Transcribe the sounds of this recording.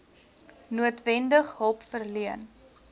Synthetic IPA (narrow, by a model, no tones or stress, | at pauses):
nuətvɛndəχɦəlˠpfərliən